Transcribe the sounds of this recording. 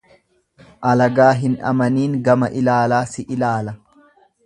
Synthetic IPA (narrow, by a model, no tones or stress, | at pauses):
ʔɐlɐɡaːɦɪnɐ̰mɐniːŋɡɐmɐʔɪlaːlaːsɪʔɪlaːlɐ